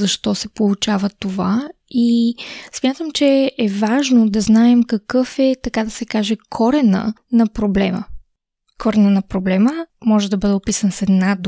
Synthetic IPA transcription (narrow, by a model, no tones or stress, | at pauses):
zɐʃt̪ɔsɛpolˠut͡ʃavət̪ova | ismʲjat̪əmt͡ʃɛɛvaʒnod̪ɐznaɛmkɐkɤfɛt̪ɐkad̪ɐsɛkaʒɛkʰɔɾɛnə̰nɐpɾoblɛmə̰ | kʰɔɾɛnənɐpɾoblɛməmɔʒɛd̪ɐbɤd̪ɛopisənsɛd̪nad̪